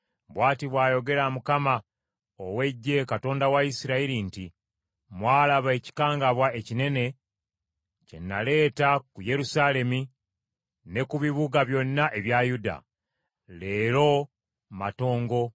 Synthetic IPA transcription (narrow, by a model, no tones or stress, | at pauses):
bwaːtiβwaːjo̞ɡe̞ɾamukama | owe̞ɟːe̞kato̞ːndawaisiɾaiɾinti | mwaːlaβaeci̥kaːŋɡaβwae̞cine̞ne̞ | ce̞̰nːale̞ːtakuje̞ɾusale̞mi | ne̞kuβiβuɡaβjo̞nːaʔe̞βjajuda̰ | le̞ːɾo̞ | ma̰to̞ːŋɡo̞